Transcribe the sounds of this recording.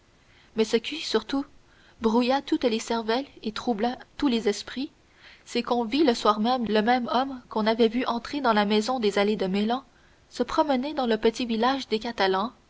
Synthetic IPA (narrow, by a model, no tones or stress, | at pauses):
mɛsəkʲisyʁt̪u | bʁujat̪ut̪lesɛʁvɛlet̪χublat̪ulezɛspχi | sɛkɔ̃viləswaːʁmɛmləmɛmɔmkɔ̃navɛvyʔɑ̃t̪χed̪ɑ̃lamɛzɔ̃d̪ezaled̪əmelɑ̃ | səpχɔməned̪ɑ̃ləpət̪ivilaʒd̪ekat̪alɑ̃